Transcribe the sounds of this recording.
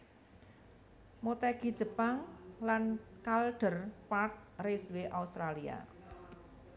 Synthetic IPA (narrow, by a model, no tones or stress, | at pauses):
mot̪ɛɡ̥i̥d͡ʒ̥ə̤paŋlankalɖ̥ərpart̪̚resweʔaust̪ɾalia̰